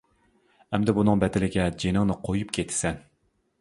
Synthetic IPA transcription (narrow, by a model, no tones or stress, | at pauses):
ɛmd̪ɛbunɨŋbɛd̪ɪlɪɡʲɛd͡ʒenɪŋnɨqʰojup̚kʲʰet̪ʰːɪ̥sɛn